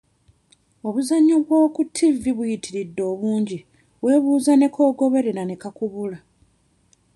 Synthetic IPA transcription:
o̞βuzaɲːoβwoːkutʰːiviβujitʰiɾidːo̞ːβuːɲɟi | βwe̞ːβuːzane̞kʰo̞ːɡo̞βe̞ɾeɾane̞kakuβula

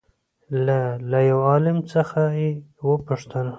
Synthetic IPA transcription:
lalajawɑlɪmt͡səxajewəpʊʂt̪əna

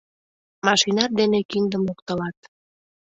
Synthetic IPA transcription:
mɑʃinɑt̪̚d̪enekind̪əmokt̪əlɑt̪

